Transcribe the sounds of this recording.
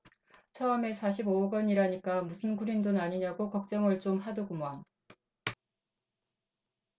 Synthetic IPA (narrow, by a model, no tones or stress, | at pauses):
t͡ɕʰʌʌme̞sʰaɕʰiboɡʌɲiɾaɲik͈amusʰɯnɡuɾindonaɲiɲaɡokʌk̚t͡ɕ͈ʌŋɯɭt͡ɕ͈omhadoɡumoan